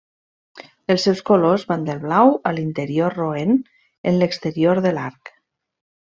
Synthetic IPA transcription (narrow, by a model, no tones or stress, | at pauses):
əlˠsɛwskolozβand̪əlˠβlawəlint̪əɾiorroen | enləkst̪əɾioɾðəlaɾk